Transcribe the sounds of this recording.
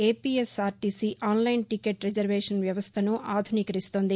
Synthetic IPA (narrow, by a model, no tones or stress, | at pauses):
eːpiːesaːɾʈisiʔaːnlɐjnʈikeʈɾed͡ʒɐɾʋeːʂɐnʋjɐʋɐst̪ʰɐnuʔaːd̪ʱuniːkɐɾist̪oːnd̪i